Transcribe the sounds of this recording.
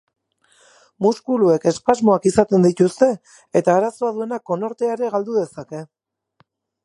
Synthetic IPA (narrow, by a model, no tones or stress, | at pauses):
muskulue̞ke̞spazmo̞akisat̪e̞nd̪it̪ust̪e̞ | et̪aːɾaso̞aðue̞nako̞no̞ɾt̪eaɾe̞ɣald̪uðe̞sake̞